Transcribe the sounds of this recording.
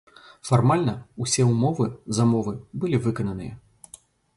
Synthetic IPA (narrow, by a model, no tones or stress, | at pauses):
farmalʲnɐusʲɛumɔvɨzɐmɔvɨbɨlʲivɨkɐnɐnɨjɐ̰